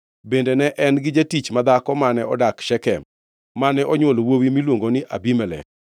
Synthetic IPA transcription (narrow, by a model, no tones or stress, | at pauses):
bendenɛʔɛnɡɪd͡ʒatit͡ʃmad̪akɔmanɛɔ̰dakʃɛkɛ | manɛʔɔɲwolowowimilwoŋɡonɪʔa̰bimɛlɛ̰